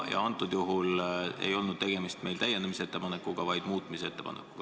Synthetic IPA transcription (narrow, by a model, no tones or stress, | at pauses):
jɑ̰ɑnt̪ːˑud̪̥juɦule̞̰jo̞lnud̪̥̚t̪e̞ɡ̥e̞mist̪me̞jlt̪æjːenemiseet̪ːe̞pɑnekːˑuɡ̥ɑvɑjd̪̥muːt̪ːˑmisee̞t̪ːe̞pɑ̰nekkːˑu̥ɡ̥ɑ